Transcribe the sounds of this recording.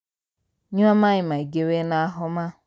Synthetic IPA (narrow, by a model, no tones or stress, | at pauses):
ɲuamaɲɪmaiɡewenaaɦʊma